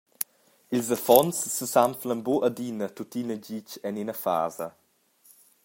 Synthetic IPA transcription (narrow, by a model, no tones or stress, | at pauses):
ilzəfɔnsːəsamflənboʔədinətutinəd͡ʑit͡ʃɛninəfa̰ːzə